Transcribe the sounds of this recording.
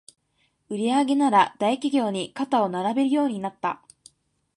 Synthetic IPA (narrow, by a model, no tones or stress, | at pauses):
ɯ̟ɾʲiaɡe̞naɾad̪̥aikʲiɡʲo̞ːɲ̟ikat̪ao̞naɾabe̞ɾɯ̟jo̞ːɲ̟inat̪ːa̰